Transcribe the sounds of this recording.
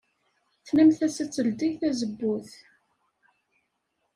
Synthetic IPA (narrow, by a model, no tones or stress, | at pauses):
θnæmθæsæt͡sːəld̪ijθæzəbːʊθ